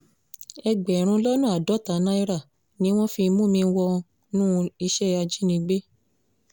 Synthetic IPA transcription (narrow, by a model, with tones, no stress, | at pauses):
ɛ˧ɡ͡bɛ˨ɾ̃ũ˧˦lɔ˦nũ˦˨a˨dɔ˨˦ta˨˦nã˦i˦ɾa˦˨ | nĩ˨˦w̃ɔ̃˦fi˧mũ˦mĩ˧wɔ˧ | nũ˦i˧ʃɛ˦a˧d͡ʒi˦nĩ˧ɡ͡be˦